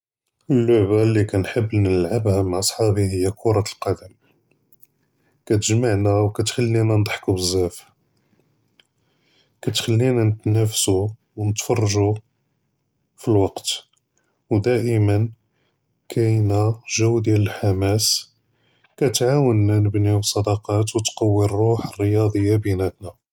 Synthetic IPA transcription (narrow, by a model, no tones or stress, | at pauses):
ʔəlːʊʕbalːikænħəbːlnəəlʕəbhæmaʕʔɑsˤħɑbihəjːækʰuɾˤɑt̪əlqɑd̪əm | kæt̪əʒmaʕnæwkæt̪xælːinænd̪ˤħkubəzːæf | kæt̪xælːinænət̪næfsu | wnət̪fɑrˤːʒu | filwɑqt̪ | wd̪æʔəmən | kʰæjnæʒæwd̪jæləlħamæs | kæt̪ʕawənːænəbnibsˤɑd̪ɑqɑt̪wt̪qɑwːirˤːoħərːəjɑd̪ˤəjːabinæt̪næ